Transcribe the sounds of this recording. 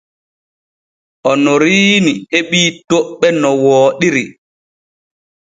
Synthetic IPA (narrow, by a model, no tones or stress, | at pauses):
ʔɔnɔɾiːniheɓiːtoɓːɛnɔwɔːɗiɾi